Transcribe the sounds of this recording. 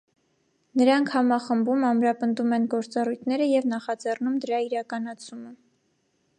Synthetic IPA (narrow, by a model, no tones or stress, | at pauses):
nəɾɑŋkʰhɑmɑχəmbumɑmɾɑpənd̪umɛnɡɔɾt͡sɑrujt̪ʰnɛɾəjɛvnɑχɑd͡zɛrnumd̪əɾɑiɾɑkɑnɑt͡sʰumə